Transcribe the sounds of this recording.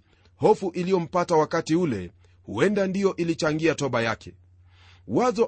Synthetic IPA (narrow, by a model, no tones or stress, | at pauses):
hɔfuʔilijɔm̩patawakatiulɛ̰ | hṵɛndandijɔʔilit͡ʃaŋɡiatɔɓajakʰɛ | wazɔ